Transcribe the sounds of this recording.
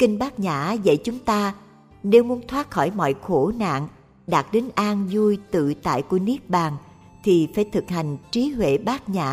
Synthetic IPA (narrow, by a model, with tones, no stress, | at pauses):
kï˧ŋ̟ɓaː˦˥k̚ɲaː˧˩˥zə̰˧˨jt͡ɕʊ˨˦ŋ͡mt̪aː˧ | ne˧wmu˨˦ənt̪ʰwaː˦˥t̚xɔ˧˩jmɔ̰˧˨jxo˧˩na̰ː˧˨ŋ | ɗaː˨˩t̚ɗe˨˦nʔaː˧nzu˧jt̪ɨ̰˧˨t̪a̰ː˧˨jku˧˩əni˦˥ək̚ɓaː˨˩ŋ | t̪ʰi˨˩faː˧˩jt̪ʰɨ˨˩k̚ha˨˩jŋ̟t͡ɕi˨˦hwḛ˧˨ɓaː˦˥k̚ɲa̰ː˧˩˥